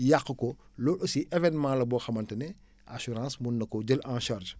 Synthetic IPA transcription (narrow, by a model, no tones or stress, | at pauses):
jakːəkɔ | loːləsiʔevɛnmãːlɐbɔːxɐmɐntɐnɛ | a̰suɾãːsmunːɐkɔɟəlʔãːʃarʒ